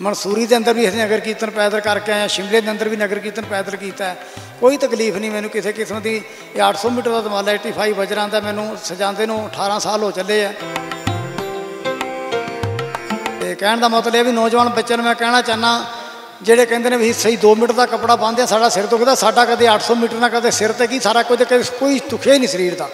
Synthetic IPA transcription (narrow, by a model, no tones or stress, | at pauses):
mənsuːɾiːd̪eːə̃nd̪əɾʋiːsenəɡəɾkiːt̪ənpɛːd̪əlɾkəɾkeaːjãːʃɪmlẽːd̪eːə̃nd̪əɾʋiːnəɡəɾkiːt̪ənpɛːd̪əlk̬iːt̪aːɛː | koːiːt̪əkliːpʰnĩːmɛːnũːkɪseːkɪsmd̪iː | əʈʰsɔːmiːʈəɾd̪aːd̪əmaːlaːeʈiːpʰaːiːbəd͡ʒəɾãːnd̪aːmɛ̃ːnũːsəd͡ʒãːnd̪eːnõːəʈʰaːɾãːsaːlɦoːt͡ʃəleːɛː | t̪eːkɛːɳd̪aːmət̪ləɛːbiːnɔːd͡ʒʋaːnbətːʃənmɛ̃ːkɛːɽ̃ãːt͡ʃaːnãː | d͡ʒeːɽeːkɛ̃ːnd̪eːnẽːbisəiːd̪oːmɪːʈəɾd̪aːkəpɽaːbãːnd̪eãːsaːɖaːsɪɾd̪ʊkʰd̪aːsaːɖaːkəd̪eːəʈʰsɔːmiːʈəɾnãːkəd̪eːsɪɾət̪ɛːkiːsaːɾaːkʊd͡ʒeːkəd̪ekoːiːd̪ʊkʰeːinĩːsəɾiːɾt̪aː